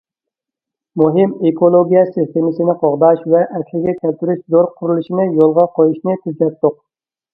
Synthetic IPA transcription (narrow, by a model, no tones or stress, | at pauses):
muɦɪmekʰolˠoɡʲijɛsɨst̪ʰemɪsɪnɪqʰɑʁd̪ɑʃvɛʔɛkʲʰlɪɡʲɛkʲɛlt̪yɾyʃzoɾqʰʊɾulˠuʃinɪjolˠʁɑqʰojuʃnɪt̪ʰyd͡ʒɛt̪ːʊq̚